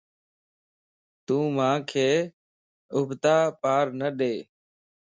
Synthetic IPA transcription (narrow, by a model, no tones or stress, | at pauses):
t̪ũːmãːkʰeː | ʊbt̪aːpaːɾnəɗeː